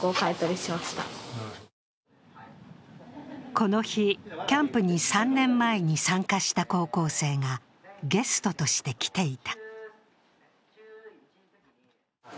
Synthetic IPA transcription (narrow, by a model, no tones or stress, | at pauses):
oːkaet̪oɾʲiɕimaɕi̥t̪a̰ | ko̞no̞çikʲãmpɯ̟ɲ̟isãnːẽ̞mːaeɲ̟isãŋkaɕi̥t̪ako̞ːko̞ːse̞ːŋa | ɡe̞sɨ̥t̪o̞t̪o̞ɕi̥t̪e̞kʲi̥t̪e̞it̪ḁ